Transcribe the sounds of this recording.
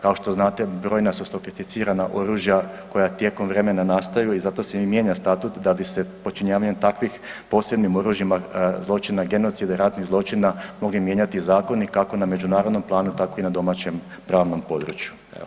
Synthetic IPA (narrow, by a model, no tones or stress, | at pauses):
kao̞ʃt̪o̞znaːt̪e̞bɾo̞ːjnasust̪o̞fifit̪siːɾanaʔo̞ɾuːʒja | ko̞jat̪je̞ko̞mʋɾe̞me̞nanaːst̪ajuizat̪o̞semje̞ːɲast̪at̪ut̪d̪abise̞po̞t͡ʃiɲaːʋaɲemt̪akʋixpo̞se̞bnimo̞ɾuʒjimazlˠo̞t͡ʃinaɡe̞no̞t̪sid̪aiɾat̪nizlˠo̞t͡ʃinamo̞ɡlimje̞ɲat̪izaːko̞nikako̞name̞d͡ʒunaːɾo̞d̪no̞mplˠaːnut̪ako̞inad̪o̞mat͡ɕem | pɾaːʋno̞mpo̞d̪ɾṵt͡ʃju | ḛo